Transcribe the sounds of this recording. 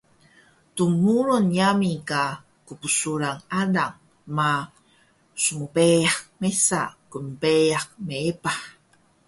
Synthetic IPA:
tumuɾunjamika | kupusuɾaŋadaŋ | ma | sumupejak̚mesa̰kumpejak̚meepaħ

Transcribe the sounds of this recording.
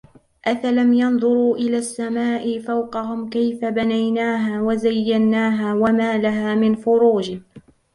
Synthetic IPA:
ʔafalamjɑnðˤʊɾuːʔɪlaːsːamaːʔɪfawqɑɦʊmkajfabanajnaːɦaːwazajːanːaːɦaːwamaːlaɦaːmɪnfʊɾuːd͡ʒɪ

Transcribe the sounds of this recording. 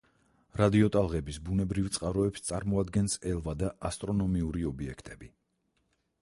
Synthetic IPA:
ɾad̪iɔt̪ʼalˠʁɛbisbunɛbɾivt̪sʼqʼaɾɔɛpst̪sʼaɾmɔad̪ɡɛnsɛlˠvad̪aʔast̪ʼɾɔnɔmiuɾiɔbiɛkʰt̪ʼɛbi

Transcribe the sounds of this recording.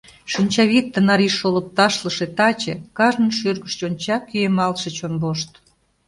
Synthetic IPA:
ʃənʲt͡ɕɑβit̪ːənɑɾiʃolə̆p̚t̪ɑʃləʃĕt̪ɑt͡ɕḛ̆kɑʒnə̆nʃørɣəʃt͡ɕonʲt͡ɕɑkyemɑlʃĕt͡ɕonloʃt̪

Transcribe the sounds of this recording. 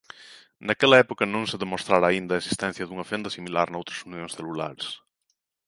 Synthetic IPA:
nɐkɛlɐɛpokɐnõŋseðemost̪ɾaɾaːind̪ɐesi̥st̪ɛnθjɐðuŋɐfend̪ɐsimilaɾnowt̪ɾɐsunjõnsθelula̰ɾes

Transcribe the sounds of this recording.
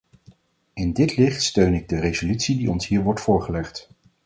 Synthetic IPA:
ɪndɪtlɪχtstøɥnɪɡ̚dərezolytsidiɔnsɦiːɹʋɔɹtfʊːɹχəlɛχt

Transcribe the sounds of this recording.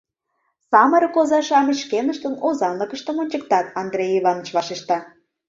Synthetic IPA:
sɑməɾkozɑʃɑmə̆t͡ɕʃkenəʃt̪ənozɑnləkə̆ʃt̪ə̆monʲt͡ɕək̚t̪ɑt̪ɑnd̪rejiβɑnːə̆t͡ɕβɑʃeʃt̪ɑ

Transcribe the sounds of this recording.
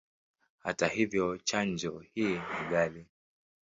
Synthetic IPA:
ha̰tahivjɔt͡ʃand͡ʒɔhiːniɠali

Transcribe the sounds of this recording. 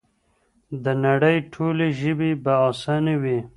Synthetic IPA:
d̪ənaɽəjʈʰoleʒəbibaasanewi

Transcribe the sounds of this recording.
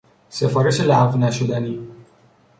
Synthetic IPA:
sefɔɾeʃelaːvnæʃud̪ani

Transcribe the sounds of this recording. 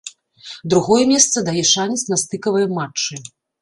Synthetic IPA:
d̪ɾuɣɔjɛmʲɛst̪sɐd̪ajɛʂanʲit̪sʲnɐst̪ɨkɐvɐjɐmat͡ʂːɨ

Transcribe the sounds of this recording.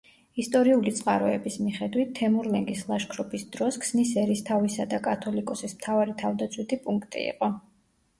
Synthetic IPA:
ist̪ʼɔɾiulit̪sʼqʼa̰ɾɔɛbismiχɛd̪wit̪ʰːɛmuɾlɛŋɡislˠaʃkʰɾɔpʰisd̪ɾɔskʰsnisɛɾist̪ʰavisad̪akʼat̪ʰɔlikʼɔsismt̪ʰavaɾit̪ʰavd̪at̪sʰwit̪ʰipʼuŋkʰt̪ʼḭḭqʼɔ

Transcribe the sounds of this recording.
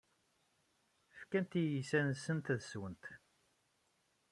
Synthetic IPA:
fkænt̪ijisænsənt̪ðswənt̪

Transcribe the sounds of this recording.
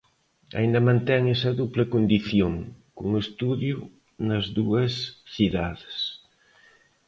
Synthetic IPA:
a̰ĩnd̪ɐmãnt̪ɛŋɛsɐðuplɪkond̪iθjoŋkuŋest̪uðju | nɐzðuɐsθiðaðɪs

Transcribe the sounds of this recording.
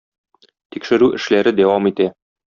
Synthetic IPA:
t̪ikʃɘ̆ɾʉʔɘ̆ʃlæɾɘd̪æwɑmit̪æ

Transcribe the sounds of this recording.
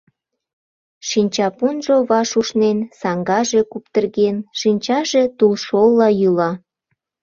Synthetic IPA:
ʃinʲt͡ɕɑpunʒoβɑʃuʃnensɑŋɡɑʒe̽kupt̪ərɣenʃinʲt͡ɕɑʒe̽t̪ulʃolːɑjylɑ

